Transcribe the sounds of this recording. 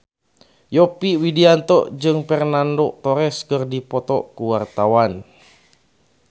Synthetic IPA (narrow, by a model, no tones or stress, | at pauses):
jɔpiwidiant̪ɔʔd͡ʒɨŋfɛrnandoʔt̪ɔɾɛskɨrdipɔt̪ɔʔkuwart̪awan